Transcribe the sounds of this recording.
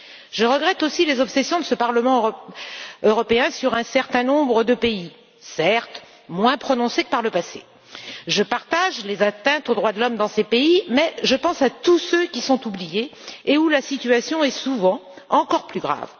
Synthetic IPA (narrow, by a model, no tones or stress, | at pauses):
ʒəʁəɡʁɛt̪osilezɔpsesjɔ̃d̪əsəpaʁləmɑ̃ | øʁɔpeɛ̃syʁɛ̃sɛʁt̪ɛ̃nɔ̃bʁəd̪əpei | sɛʁt̪ | mwɛ̃pχɔnɔ̃sekəpaʁləpase | ʒəpaʁt̪aʒlezat̪ɛ̃t̪od̪ʁwad̪əlɔmd̪ɑ̃sepeimɛʒəpɑ̃sat̪usøkʲisɔ̃t̪ublijeːulasit̪ɥyasjɔ̃ɛsuvɑ̃ | ɑ̃kɔʁplyɡʁa̰v